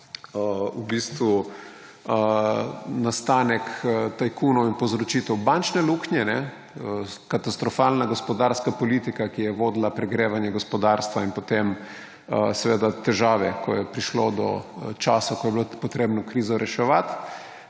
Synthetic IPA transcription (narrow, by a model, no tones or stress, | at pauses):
ubist̪ʋu | nast̪aːnɛkt̪ajkunɔwinpozɾɔt͡ʃit̪ɛwbant͡ʃnɛluknjɛnɛ | əkat̪ast̪ɾɔfalnaɡospɔd̪aɾskapolit̪ikakijɛʋoːd̪lapɾɛɡɾeːʋanjɛɡospɔd̪aɾst̪ʋainpot̪em | sɛʋeːd̪at̪ɛʒaːʋɛkɔjɛpɾiʃlod̪ɔ̰t͡ʃaːsakɔjɛbilopot̪ɾeːbnɔkɾiːzɔɾɛʃɛʋat̪